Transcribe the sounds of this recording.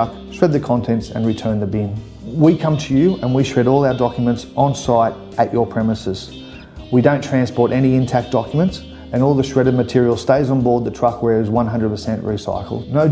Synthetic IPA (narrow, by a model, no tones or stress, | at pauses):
k | ʃɹɛd̪̚ðɨkʰɑ̃ntʰɛ̃ntsɨ̰̃nɹitʰɜ̃˞nðɨbĩn | wikʰʌ̃mtʰɨjʉʔɨ̃nwiʃɹɛɾɔlˠaʊə˞dɑkjəmə̃ntsn̩saɪɾ | ʔɨt͡ʃə˞pʰɹ̥ɛmɨsɨz̥ | widõʊ̃ntʰɹ̥æ̃nspɔɹɾʔɛniɪ̃ntʰæk̚d̥ɑkjmɨ̃nts | ɨ̃nɔlˠðəʃɹɛɾʌvmɨtʰɪɹil̩ˠsteɪzn̩bɔɹd̪̚ðɨtʰɹ̥ʌkwə˞ɨzwʌ̃nɦʌ̃ndəd̚pʰəsɛ̃nʔɹisa̰ɪkl̩ˠdnoʊ